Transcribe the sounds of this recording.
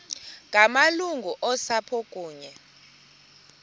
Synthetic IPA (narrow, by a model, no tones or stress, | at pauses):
ŋʱamaluŋɡʱuʔɔsapʰɔkʼuːɲɛ